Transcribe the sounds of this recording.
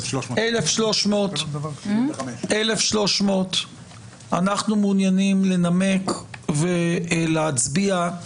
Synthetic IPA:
ʔelefʃlo̞ʃmo̞t̪ | elefʃlo̞ʃmo̞t̪ | anaχnumunjanimle̞name̞kveleat͡sbia

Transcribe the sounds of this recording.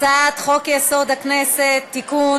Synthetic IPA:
at̪χo̞kjeso̞d̪hakneset̪ːikun

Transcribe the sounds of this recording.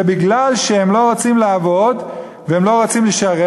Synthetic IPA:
ebiɡlalʃehemlo̞ʁat͡simlaːvo̞d | veemlo̞ʁat͡simleʃaʁe

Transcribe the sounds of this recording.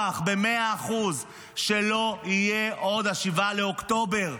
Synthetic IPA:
aχbemeaːχuz | ʃe̞lo̞ijeʔo̞d̪aʃivaleokt̪o̞be̞ʁ

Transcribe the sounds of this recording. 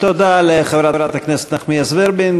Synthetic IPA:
t̪ɔdalɪχavɾavɾataknɛsɛ̥t̪naχmiasvɪɾbɪn

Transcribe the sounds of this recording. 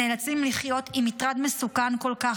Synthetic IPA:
elat͡simliχjo̞t̪imitʁad̪mesukanko̞lkaχ

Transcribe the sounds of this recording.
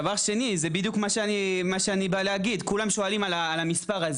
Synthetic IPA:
vaʁʃe̞nizebid̪ijukmaʃeanimaʃeanibaleaɡid̪kulamʃo̞alimalaːlamispaʁaz

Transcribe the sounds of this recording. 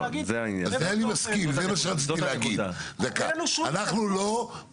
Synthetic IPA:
zeainja̰azzeanimaskimzemaʃeʁatt͡sit̪itleaɡidzeka̰anaχnulo

